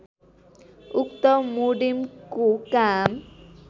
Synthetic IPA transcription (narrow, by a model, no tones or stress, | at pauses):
ukt̪ɔmuɖimkukam